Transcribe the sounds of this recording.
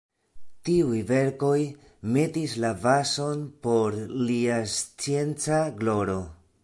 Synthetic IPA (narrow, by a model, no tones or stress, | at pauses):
tiujve̞ɾko̞j | me̞tislavaso̞npo̞ɾliast͡sie̞nt͡saɡlo̞ɾo̞